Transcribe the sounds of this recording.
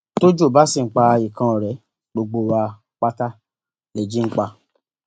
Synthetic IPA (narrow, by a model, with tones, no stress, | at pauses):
to˦d͡ʒo˦˨ba˦si˦˨ŋ͡m̩˨k͡pa˧i˨kã˧ɔ˨ɾɛ˨˦ | ɡ͡bo˧ɡ͡bo˧wa˧ | k͡pa˦ta˦ | lɛ˨d͡ʒi˦ŋ͡m̩˦k͡pa˧